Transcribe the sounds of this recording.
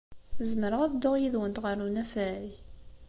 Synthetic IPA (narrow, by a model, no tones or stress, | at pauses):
zməɾəʁæðd̪oʁjiðwənt̪ʁəɾunæfæɾi